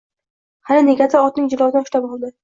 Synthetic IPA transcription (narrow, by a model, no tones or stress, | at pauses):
halɪne̞ɡʲasɪɒt̪̚nɪŋʲd͡ʒɪlˠɒzɪd̪anʊʃt̪apɒlˠd̪ɪ